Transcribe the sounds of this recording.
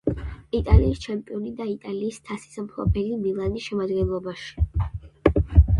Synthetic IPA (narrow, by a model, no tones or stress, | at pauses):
it̪ʼaliːst͡ʃʰɛmpʼiɔnid̪ait̪ʼaliːst̪ʰasi̥sampʰˠɔ̰bʰɛlimilˠanisʃɛmad̪ɡɛnlˠɔbaʃi̥